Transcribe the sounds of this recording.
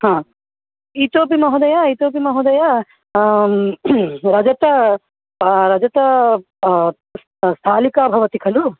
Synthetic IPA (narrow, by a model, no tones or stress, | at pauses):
hãː | it̪oːpimɐɦud̪ɐjait̪oːp̬imɐɦud̪ɐja | ɾɐd͡ʒɐt̪ɐ | ɾɐd͡ʒɐt̪ɐ | st̪ʰaːlikaːbʱɐʋɐt̪ikʰɐlu